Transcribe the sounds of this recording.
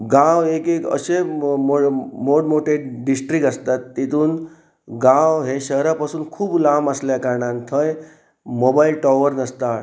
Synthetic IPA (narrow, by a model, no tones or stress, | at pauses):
ɡãʋekekə̰ɕemomoɽmoʈeɖɖisʈɾikəst̪at̪ːit̪uːn | ɡãwɦeɕəɦɾapasuːnkʰuːblaməsljakaɾɳant̪ʰəj | mobailʈɔʋəɾnəst̪a